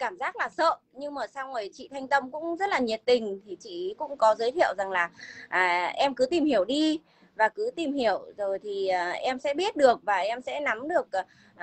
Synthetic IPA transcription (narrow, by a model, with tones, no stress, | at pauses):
kaː˧˩mzaː˦˥k̚laː˨˩sə̰ː˧˨ | ɲɨ˧ŋməː˨˩sa˧wŋo˨˩jt͡ɕḭ˧˨t̪ʰa˧jŋ̟t̪ə˧mkʊ̰˧˥ŋ͡mzə˦˥t̚laː˨˩ɲi˨˩ət̚t̪ï˨˩ŋ̟t̪ʰi˨˩t͡ɕḭ˧˨kʊ̰˧˥ŋ͡mkɔ˨˦zəː˨˦jt̪ʰḭ˧˨əwza˨˩ŋlaː˨˩ʔːʔɛ˧mkɨ˨˦t̪i˨˩mhi˧˩əwɗi˧ | vaː˨˩kɨ˨˦t̪i˨˩mhi˧˩əwzo˨˩jt̪ʰiː˨˩˨ʔɛ˧msɛ̰˧˥ɓi˦˥ət̚ɗɨ˨˩ək̚vaː˨˩ʔɛ˧msɛ̰˧˥na˨˦mɗɨ˨˩ək̚ː